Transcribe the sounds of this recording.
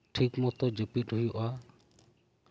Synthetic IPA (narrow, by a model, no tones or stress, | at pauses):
ʈʰikmɔt̪ɔd͡ʒəpit̪̚ɦujɔʔa